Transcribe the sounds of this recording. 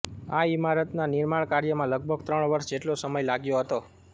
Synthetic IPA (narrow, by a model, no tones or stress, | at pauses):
aimaɾət̪nanɪɾmaɳ̃kaɾjəmãləɡ̚bʱəɡt̪ɾəɳʋəɾʃd͡ʒeʈlosəməjlaɡjoɦət̪o